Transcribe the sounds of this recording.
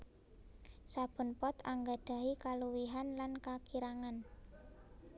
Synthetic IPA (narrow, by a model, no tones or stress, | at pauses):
sab̥ə̤npɔt̪aŋɡaɖ̥a̤ikaluwiɦanlankakiɾaŋan